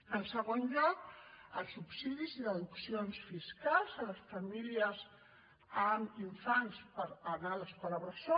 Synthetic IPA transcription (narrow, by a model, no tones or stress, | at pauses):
ənsəɣonʒɔkəlˠsupsiðiziðəðuksionsfiskalˠzələsfəmiliəz | əmiɱfanspəɾənaðəskuləβɾəso